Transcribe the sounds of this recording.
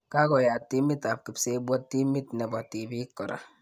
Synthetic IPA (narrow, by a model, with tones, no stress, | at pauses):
ka˦ko˨ja˨tːi˦mi˦ta˨p̚ki˨pse˦bʷo˦tːi˦mi˦tne˨bɔ˨ti˨bi˦kɔ˨ɾʔa̰˨